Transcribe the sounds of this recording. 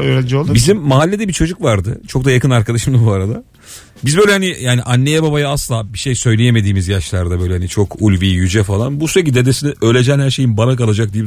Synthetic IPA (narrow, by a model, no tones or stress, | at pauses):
øːɾænd͡ʒɛolˠbizimːaɦalʲːed̪ɛbit͡ʃʰo̞d͡ʒukvaɾd̪ɯ̰t͡ʃʰok̚d̪ajakʰɯnaɾkʰad̪aʃɯmd̪abuaɾad̪a | bizbø̞jlʲɛhanijaːniʔanːe̞jɛbabajaaslˠaːbiʃe̞jsø̞jlʲe̞jeme̞d̪iːmizjaʃlˠaɾd̪abø̞jlʲɛhanit͡ʃʰo̞kʰulʲvijyd͡ʒɛfalˠanbusyɾec̬id̪ed̪esiniølʲe̞d͡ʒɛnhæɾʃe̞jinbanakalˠad͡ʒak̚d̪iji